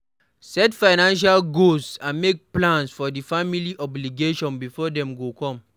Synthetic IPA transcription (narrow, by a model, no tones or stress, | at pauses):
sɛtfaɪnãnʃ̬alɡossãnmek̚plãnsfɔdifamiliʔɔbliɡeʃɔ̃nbifɔdɛ̃mɡokɔ̃m